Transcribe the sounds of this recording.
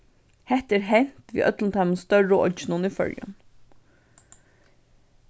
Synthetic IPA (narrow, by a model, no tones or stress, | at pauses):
hɛht̪ɛːɾɦɛn̥t̪ʋḭːʔœ̰t̪lənt̪ʰaɪmənst̪œɹəɔ̰d͡ʒɪnʊnifœ̰ɹjʊ̰n